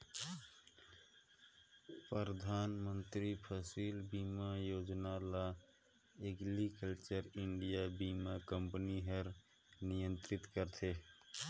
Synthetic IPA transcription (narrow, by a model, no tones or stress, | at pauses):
pəɾəd̪ʱaːnmə̃nt̪ɾipʰəsilbiːmajoːd͡ʒnala | eɡlikəlt͡ʃəɾɪɳɖijabiːmakəmpniɦəɾ | nɪjə̃nt̪ɾɪt̪kəɾt̪ʰeː